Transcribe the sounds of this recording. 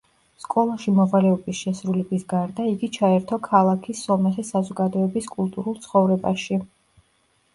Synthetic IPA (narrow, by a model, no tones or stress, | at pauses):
skʼɔlˠaʃimɔvalɛɔbisʃɛsɾulɛbisɡaɾd̪aiɡit͡ʃʰaɛɾt̪ʰɔkʰalˠakʰisːɔmɛχɛsazɔɡad̪ɔɛbiskʼulˠt̪ʼuɾulˠt̪sʰχɔvɾɛba̰ʃi